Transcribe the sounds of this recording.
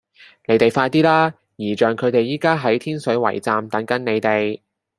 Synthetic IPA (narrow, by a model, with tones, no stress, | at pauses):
ne˨˥jt̪e˨˩jfaː˧jt̪iː˥laː˥ | jiː˨˩t͡ʃœː˨ŋkʰɵ˨˧t̪e˨jːiː˥kaː˥ɦɐ˨˥jt̪ʰiː˥nsɵ˨˥ɥwɐ̰˨˩jt͡saː˨mt̪ɐ˨˥ŋkɐ˨˥ŋne˨˧jt̪e˨j